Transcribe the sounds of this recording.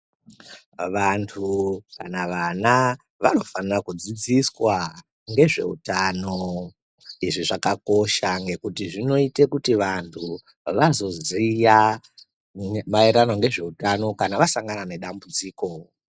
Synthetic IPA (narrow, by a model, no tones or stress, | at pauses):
ʋantʰuka̰naʋana | ʋano̞fanirakud͡zid͡ziswa | ŋɡe̞ʐe̞̰utano̞ | iʐiʐakako̞ʃaŋɡe̞kutiʐino̞itekutiʋantʰu | ʋazo̞zija | maeɾanwaŋɡe̞ʐe̞utano̞kanaʋasaŋɡanane̞ɗambud͡ziːko̞